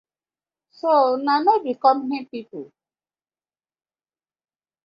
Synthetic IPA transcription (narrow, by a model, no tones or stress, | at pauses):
sonanodikɔmɦɛ̃pipu